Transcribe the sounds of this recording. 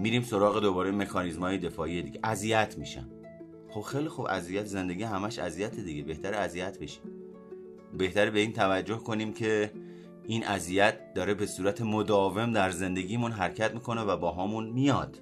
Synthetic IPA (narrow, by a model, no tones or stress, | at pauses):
miɾiːmso̞ɾɒːɣe̞d̪obɒːɾeme̞kʰɒːnizmhɒːjed̪e̞fɒːije̞d̪iːɡʲeʔæzijæt̪ʰmiʃæ̰m | xob̥xejlixubæ̰zijæt̪ze̞nd̪e̞ɡihæmæʃæ̰zijæt̪ʰed̪iɡebe̞ht̪æɾeæzijæt̪̚ʰbeʃi̥m | be̞ht̪æɾebe̞iːnt̪ʰævæd͡ʒːo̞hkʰo̞nimcʰe̞ | ʔiːnʔæzijæt̪̚d̪ɒːɾebe̞suːɾæt̪ʰe̞mod̪ɒːve̞md̪æɾze̞nd̪e̞ɡʲiːmunɦæɾcʰæt̪miːkʰo̞ne̞væbɒːɦɒːmunmijɒːd̪̥